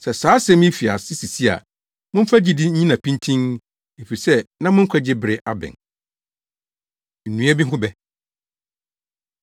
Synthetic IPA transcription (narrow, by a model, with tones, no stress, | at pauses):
sɛ˨saː˨˦sɛ̃˦mĩ˦fi˨a̰˨sɪ˦si˨si˦a̰˨ | mʊ̃˦m̩˦fa˦d͡ʑi˦dɪ˦ɲ̩˦ɲĩ˦nã˨pʰĩ˦ntʰĩ˦n | e˨fi˨sɛ˦nã˦mʊ̃˦ŋ̩˦kʷʰɛ˦d͡ʑɪ˦bɪ˨ɾɪ˨˦ʔa˦bɪ̰̃˨n | n̩˨nũ˨˦a˦bi˦ɦʊ̃˦bɛ˦